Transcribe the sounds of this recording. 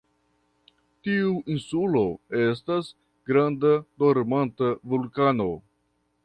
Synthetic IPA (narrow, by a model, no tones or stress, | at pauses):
tiuinsulo̞estas | ɡɾandadoɾmantavulkano̞